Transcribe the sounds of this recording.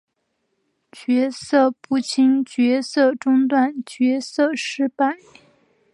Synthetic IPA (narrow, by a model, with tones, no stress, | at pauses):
t͡ɕɥɛ˧˥sɤ˥˧pu˥˩t͡ɕʰi˥ŋt͡ɕɥɛ˧˥sɤ˥˧ʈ͡ʂʊ˥ŋt̪wa˥˩nt͡ɕɥɛ˧˥sɤ˥˧ʂɻ̩˥pa˥˩ɪ